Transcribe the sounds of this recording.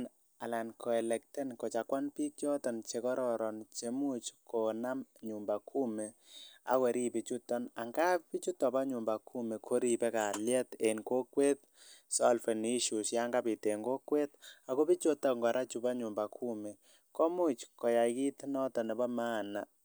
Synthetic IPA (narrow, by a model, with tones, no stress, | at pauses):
n | a˨la˨nkʰɔ˨ɛ˨lɛ˨k̚tɛ˦nko˨t͡ʃa˨kwa˦npi˦k̚t͡ʃɔ˦tɔ˨nt͡ʃe˨kɔ˦ɾɔ˨ɾɔ˨nt͡ʃe˨mu˦t͡ʃkɔ˨na˦mɲu˨mba˨kʰu˦mɛ˨a̰˨˦kwɛ˨ɾi˦pi˨t͡ʃu˦tɔ˦na˨ŋɡa˦pi˦t͡ʃu˦tɔ˨ba˦ɲu˨mba˨kʰu˦me˨kʰo˦ɾi˨pɛ˦ka˨ljɛ˦te˨nko˦kwe˦t̚ | sɔ˦lfɛ˨ni˦ʃu˨sja˦ŋɡa˦pi˨te˨ŋɡo˦kwe˦ta˨ko˦bi˦t͡ʃo˦ta˨ŋɡɔ˨ɾa˦t͡ʃu˨ba˦ɲu˨mba˨kʰu˦mɛ˨ | kɔ˦mu˦t͡ʃkɔ˨ja˨iki˦tnɔ˦tɔ˨nɛ˨ba˦ma˦˨na˨